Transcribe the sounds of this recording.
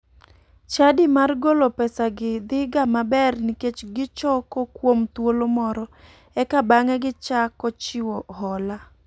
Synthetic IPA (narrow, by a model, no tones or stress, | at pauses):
t͡ʃadimarɡolopɛsaɡɪd̪ɪɡamabɛrniket͡ʃɡɪt͡ʃɔkokwomt̪wolomɔɾɔ | ɛkabaŋɛɡɪt͡ʃakɔt͡ʃɪwohɔla